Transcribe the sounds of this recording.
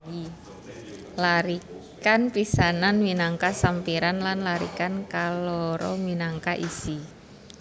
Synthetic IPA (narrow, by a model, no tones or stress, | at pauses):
i | laɾikanpisananwinaŋkasampiɾanlanlaɾḭkankalɔɾɔ̰winaŋkaʔisi